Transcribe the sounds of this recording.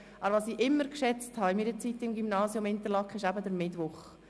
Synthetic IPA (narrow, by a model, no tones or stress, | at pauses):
ɑəɾʋɑsiːʔɪmːəɾkʃɛt͡sthɑɪmidət͡sitːɪmɡymnɑːsjomɪntəlɑkχɪʃæbədəɾmɪdʋʊχ